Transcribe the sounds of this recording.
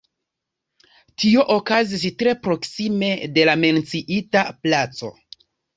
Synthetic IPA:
tio̞ʔokazis̬tɾe̞pɾo̞ksime̞de̞lame̞nt͡siʔitaplat͡so̞̰

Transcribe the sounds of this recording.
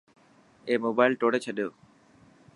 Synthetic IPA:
eːmoːbaːɪlʈoːɽeːt͡ɕʰəɗjoː

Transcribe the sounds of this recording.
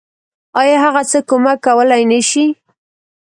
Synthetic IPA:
ɑjɑɦaɣat͡səkomakːawəlajnaʃi

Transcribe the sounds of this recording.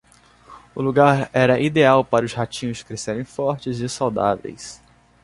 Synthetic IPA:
ʊluɡaɾɛɾɐʔid̪eawpaɾɐʊzhat͡ʃĩɲʊskɾeseɾẽj̃fɔɾt͡ʃɪzɪsawd̪a̰vḛjs

